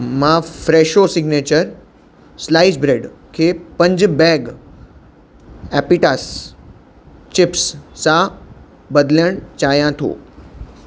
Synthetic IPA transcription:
mãfɾeːʃosɪɡneːt͡ɕəɾ | slaɪsbɾeːɖkʰeːpɐ̃ɲd͡ʑbɛːɡ | ɛpiʈaːs | t͡ɕɪpssã | bɐd̪ljəɽ̃t͡ɕaːjãt̪ʰo̰ː

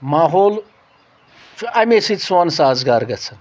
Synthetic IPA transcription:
maːɦoːl | ɐmesit̪swansaːd͡zɡaːɾɡɐt͡sʰɐn

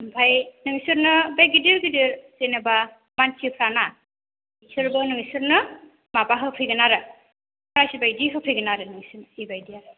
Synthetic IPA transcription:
bʱajnɯŋsɯɾnɯbajɡidiɾɡidiɾzenɯba | mant͡ʃʰipʰɾana | isɯɾbɯnɯŋisɯɾnɯ | mabaɦɯpʰɯjɡɯnaɾɯ | pʰɾajsibajdiɦɯpʰɯjɡɯnaɾɯnɯŋsɯɾnɯibajdiaɾɯ

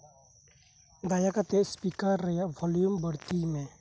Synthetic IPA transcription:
d̪aːjakat̪espikəɾːɐjaʋɔːljumbəɽt̪imẽ

